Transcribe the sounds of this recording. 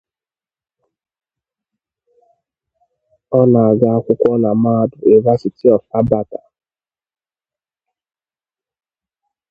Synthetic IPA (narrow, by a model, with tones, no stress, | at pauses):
ɔ˦na˨a˨ɡa˦a˦kʷʊ˦kʷɔ˦na˨ma˦˨dʊ˨e˨i˨va˦si˨ti˦ɔ˨fa˦ba˨ta˨